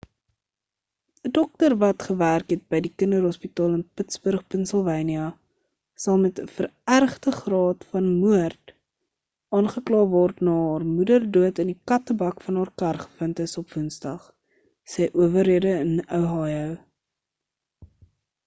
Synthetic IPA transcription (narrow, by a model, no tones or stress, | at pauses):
ədɔk̚tərvɐtχəværkɦɛt̚bəjdikəndəɾɦɔspitɑːlˠənpətsbərχpɛnsəlˠvɛjniɐ | sɐlˠmɛtəfərærχtəχrɑːtfɐnmuərt | ɑːnχəklɑːvɔrtnɑːɦɑːrmudərduətənikɐtəbɐkfɐnɦɑːrkɐrχə̥fəntəsɔpvunsdɐχ | sɛjʔuəvəɾiədəənœwɦɑːjəw